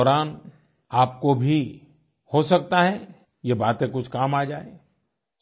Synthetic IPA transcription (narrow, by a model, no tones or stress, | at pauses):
ɔːɾaːn | aːp̚kobʱi | hosɐk̚t̪aɦɛ | jebaːt̪ẽkʊt͡ʃʰkaːmaːd͡ʒaːe